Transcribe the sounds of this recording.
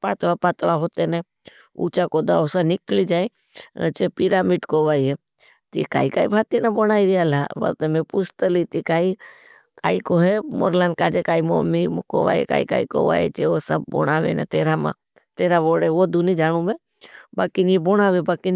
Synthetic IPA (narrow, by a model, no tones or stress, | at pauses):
paːt̪ʋapaːt̪laɦoːt̪enẽ | ṵːt͡ʃakoːd̪aosanɪklid͡ʒaːḭ̃ | t͡ʃepɪɾaːmiːʈkoːʋaːiɦe | t̪ika̰ːika̰ːibʱaːt̪inabonaːiɾialaʋɐ̰t̪emẽpʊst̪əlit̪ikaːi | kaːikoɦemo̰ɾlaːnkaːd͡ʒekaːimo̰miko̰ʋa̰ːḛka̰ːḭka̰ːḭko̰ʋa̰ːḛt͡ʃeosəb̚bo̰ɽ̃aːʋḛnḛt̪eːɾamã̰ | t̪eːɾaʋoːɽeʋod̪ʱunid͡ʒaːɽ̃ũbe | baːkineboñaːʋebaːkin